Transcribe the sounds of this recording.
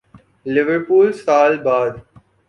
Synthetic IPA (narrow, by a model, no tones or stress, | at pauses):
lɪʋəɾpuːlsaːlbaːd̪